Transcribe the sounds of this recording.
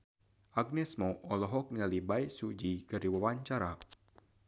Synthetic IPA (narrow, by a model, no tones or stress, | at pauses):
ʔaɡ̚nɛsmɔɔlɔɦɔk̚nialibaisud͡ʒikɨrdiwawaɲt͡ʃaɾa